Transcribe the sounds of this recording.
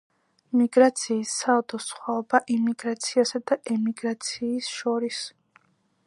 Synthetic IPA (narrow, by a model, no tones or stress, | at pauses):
miɡɾat̪sʰiːsːaɔt̪ʰɔsχwaɔbaʔimiɡɾat̪sʰiasad̪aʔɛmiɡɾat̪sʰiːsʃɔɾis